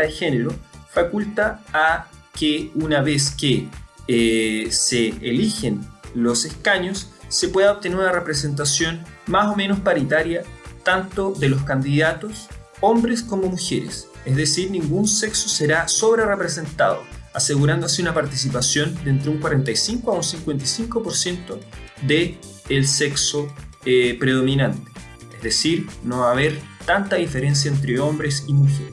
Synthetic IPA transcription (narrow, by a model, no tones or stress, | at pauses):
exeneɾofakult̪aː | keunaβes̬ke | seːlixenlo̞seskaɲosːepwe̞ðaop̚t̪eneɾunarepɾes̬e̞nt̪̬asjo̞nmasome̞nospaɾit̪aɾjat̪ant̪oðe̞loskand̪iðat̪os | ombɾeskomo̞muxeɾḛsezðesiɾnĩŋɡunse̞ksoseɾasoβɾerepɾes̬e̞nt̪a̰ðo̰ase̞ɣuɾand̪oseunapaɾt̪is̬ipasjo̞nd̪ent̪ɾeuŋkwaɾe̞nt̪ajsiŋkoaunsiŋkwent̪ajsiŋkopoɾsje̞nt̪oðeː | lsekso | pɾeð̞o̞minant̪e̥ | ezðesiɾnoβaːβeɾt̪ant̪aðifeɾens̬jaent̪ɾeo̞mbɾesimuxeɾe